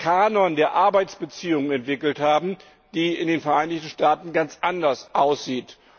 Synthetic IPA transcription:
kʰaːnɔndeːɐʔaɐbaɪt͡sb̥ət͡siːʊŋənɛntv̥ɪkl̩thaːbm̩ | d̥iːɪndeːnfɛɐʔaɪnɪçtn̩ʃtaːtn̩ɡant͡sʔandɐsʔaʊsz̥iːt

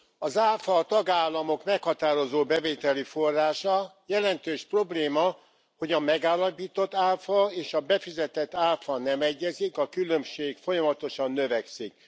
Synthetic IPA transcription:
ɒzaːfɒːt̪ɒɡaːlːɒmo̞kmɛkhɒt̪aːɾo̞zoːbɛveːt̪ɛlifo̞rːaːʃɒjɛlɛnt̪øːʃpro̞bleːmɒ | ho̞ɟɒmɛɡaːlːɒpiːt̪o̞t̪ːaːlfɒeːʃɒbɛfizɛt̪ɛt̪ːaːlfɒnɛmɛɟːɛzikɒkylømʃeːkfo̞jɒmɒt̪o̞ʃɒnːøvɛksik̚

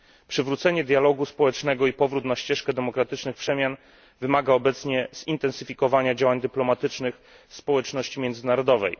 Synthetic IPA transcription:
pʂɘvɾut̪sɛɲɛd̪jalɔɡuspɔwɛt͡ʂnɛɡɔipɔvɾut̪naɕt͡ɕɛʂkɛd̪ɛmɔkɾat̪ɘt͡ʂnɘxpʂɛmʲjan | vɘmaɡaɔbɛt̪sɲɛz̥int̪ɛnsɘfʲikɔvaɲad͡ʑawaɲd̪ɘplɔmat̪ɘt͡ʂnɘx | spɔwɛt͡ʂnɔɕt͡ɕimʲjɛnd̪zɘnaɾɔd̪ɔvɛ̰j

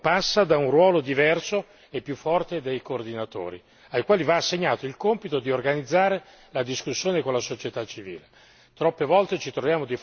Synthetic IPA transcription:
pasːad̪aunrwɔːlod̪ivɛrso | epːjufːɔrt̪ed̪ejkoːrd̪inat̪o̰ːɾḭ | ajkwaːlivaːsːeɲːaːt̪oilkompit̪od̪iorɡanid̪zːaːɾe | lad̪iskusːjoːnekonlasot͡ʃet̪at͡ʃːivḭːle | t̪ɾɔpːevɔlt̪et͡ʃit̪ɾovjaːmod̪i

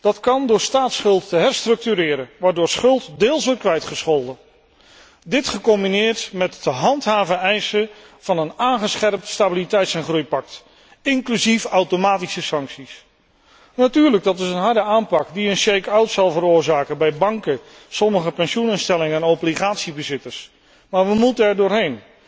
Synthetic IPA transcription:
d̥ɑtkɑndʊːɹstaːtsχɵlˠtːəɦɛɹstrɵk̚tyɾɪːɾənʋaːɹdʊːɹsχɵlˠtdɪːlˠsʋɔɹt̚kʋɛjtχəsχɔlˠdə | dɪtχəkɔmbinɪːɹtmɛtəɦɑntɦaːvəɛjsə | v̥ɑnənaːnχəsχɛrp̚tstabilitɛjtsɛnχrujpɑk̚t | ɪŋklyzifawtomaːtisəsɑŋksis | natyːɹləɡ̚dɑtɪsənɦɑɹdəaːmpɑkdiənsejkawtsɑlˠvəɾʊːɹzaːkənbɛjbɑŋkə | sɔməχəpɛnʃunɪnstɛlɪŋəɛnɔbliχaːtsibəzɪtəɹs | maːɹʋəmutəɛɹdʊːɹɦejn

